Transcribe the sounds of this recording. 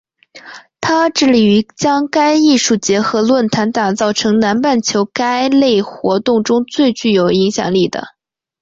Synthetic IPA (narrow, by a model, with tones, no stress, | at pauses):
t̪ʰa˥ʈ͡ʂɻ̩˥˩li˨˩y˧˥t͡ɕjɑ˥ŋka˥ɪi˥˧ʂu˥˩t͡ɕjɛ˧˥xɤ˧˥lwə˥˩nt̪ʰa˧˥nt̪a˨˩t͡sɑ˥˩ʊʈ͡ʂʰɤ˧˥ŋna˧˥npa˥˩nt͡ɕʰjo˧˥ʊka˥ɪle˥˩ɪxwɔ˧˥t̪ʊ˥˩ŋʈ͡ʂʊ˥ŋt͡swe˥˧ɪt͡ɕy˥˩jo˨˩ʊi˧˥ŋɕjɑ̰˨˩ŋli˥˩d̪ə̰˩